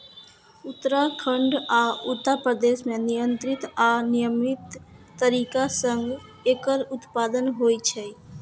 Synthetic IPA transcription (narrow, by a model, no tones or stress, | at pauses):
ʊt̪ːəɾakʰəɳɖaʊt̪ːəpɾəd̪esmẽnijənt̪ɾɪt̪anɪjəmɪt̪ː | əɾiːkasə̃ŋɡ | eːkəɾʊt̪paːd̪ənɦoit͡ʃʰɛ